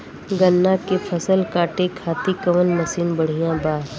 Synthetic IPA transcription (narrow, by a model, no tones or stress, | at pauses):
ɡənːakepʰɐsəlkaːʈekʰaːt̪ikɐʋənmɐsiːnbɐɽ̤ijãbaːɾ